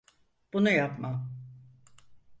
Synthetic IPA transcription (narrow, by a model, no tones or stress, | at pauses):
b̥unujapmam